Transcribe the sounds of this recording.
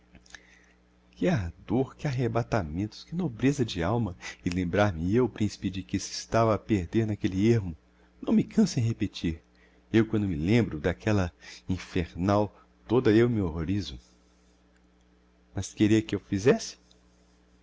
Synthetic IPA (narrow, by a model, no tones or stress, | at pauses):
kɪaɾd̪oɾkɪaɦebat̪amẽnt̪ʊ̥skɪnobɾezɐd͡ʒɪawmɐɪlẽmbɾaɾmɪewʊpɾĩsi̥pɪd͡ʒɪkɪsɪst̪avɐːpeɾd̪eɾnakelɪeɾmʊ | nɐ̃w̃mɪkʰɐ̃sẽɦepet͡ʃiɾ | ewkwɐ̃nd̪ʊmɪlẽmbɾʊd̪akʰɛlɐĩfeɾnaw | t̪od̪ɐewmɪoɦoɾizʊ | mɐskeɾiɐkɪewfizɛsɪ̥